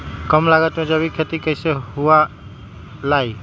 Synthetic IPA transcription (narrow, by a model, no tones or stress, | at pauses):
kɔmlaɡat̪mɛd͡ʒabikʰət̪ikəjseɦuwa | laj